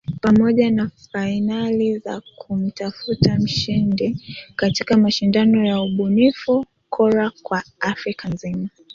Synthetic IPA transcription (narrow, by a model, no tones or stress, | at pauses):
pamɔʄanafainaliza̰kʰum̩tafutam̩ʃindikatikamaʃindanɔjauɓunifu | kʰɔɾakwaafɾikanzima